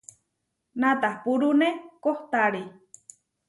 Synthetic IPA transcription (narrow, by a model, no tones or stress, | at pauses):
nat̪ahpuɾunekoht̪aɾi